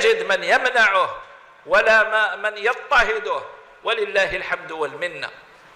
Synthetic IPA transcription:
d͡ʒɪd̪mɪnjamnaʕʊh | walamamɪnjɑt̪ˤːɑhɪd̪ʊh | walɪlːaːɦɪlħamd̪walmɪnːa̰

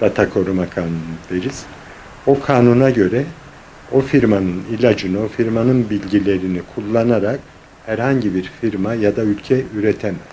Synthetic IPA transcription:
d̪̥at̪ʰakʰo̞ɾumakʰaːnund̪eɾiz̥ | okʰaːnunaɟø̞ɾɛ | o̞fiɾmanɯnilʲad͡ʒɯnɯo̞fiɾmanɯnbilʲɟilʲe̞ɾinikʰulˠːanaɾak | hæɾhaɲɟibiɾfiɾmajad̪aylʲcʰɛyɾɛt̪ʰɛmɛ

